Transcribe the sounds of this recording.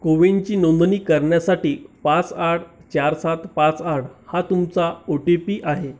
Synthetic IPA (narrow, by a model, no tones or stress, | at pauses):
koʋent͡ɕiːnond̪niːkəɾɳjasaʈiːpãt͡saʈ̚ʰt͡ɕaɾsat̪pãt͡saʈhat̪umt͡saoʈepiːʔaɦe